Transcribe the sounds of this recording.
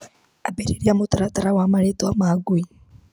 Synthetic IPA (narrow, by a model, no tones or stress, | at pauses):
abeɾiɾiamotaɾataɾawamaɾetoamaaɡui